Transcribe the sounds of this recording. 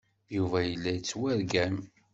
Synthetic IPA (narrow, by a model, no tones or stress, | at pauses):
juvæjəlːæjət͡sːwæɾɡæm